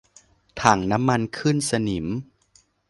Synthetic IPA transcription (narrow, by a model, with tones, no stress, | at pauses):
t̪ʰaː˨˩ŋna˦˥mːa˧nkʰɯ˥˩nsa˧ni˩˦m